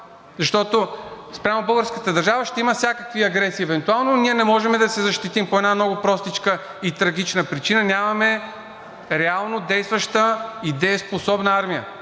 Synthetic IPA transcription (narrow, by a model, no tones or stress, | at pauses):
zɐʃt̪ɔt̪ospɾʲamobəlˠɡəɾskət̪əd̪ɐɾʒavəʃt̪ɛiməfsʲakəkviɐɡɾɛsiːɛvɛnt̪ualˠnoniɛnɛmɔʒɛmɛd̪ɐsɛzɐʃt̪it̪impoɛd̪nanɔɡʊpɾɔst̪it͡ʃkə | it̪ɾɐɡʲit͡ʃnəpɾit͡ʃinənʲamɐmɛ | ɾɛalˠnod̪ɛjst̪vɐʃt̪əid̪ɛjəsposɔbnəaɾmijə̰